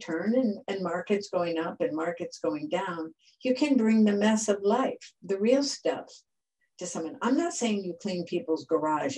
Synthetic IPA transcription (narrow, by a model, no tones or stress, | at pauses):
tʰɜ̃˞nɨ̃nɨ̃nmɑɹkɨtsɡ̥oʊɪ̃ŋʌpɨ̃nmɑɹkɨtsɡ̥oʊɪ̃ŋdãʊ̃n | jɨkʰɨ̃nbɹɪ̃ŋðɨmɛsʌvlaɪfðɨɹilˠstɛ̰p | tʰɨsʌ̃mʌ̃ŋã̰ɪ̃mnətseɪɪ̃ŋjɨkʰl̥ĩnpʰipl̩ˠzɡə˞ɑʒ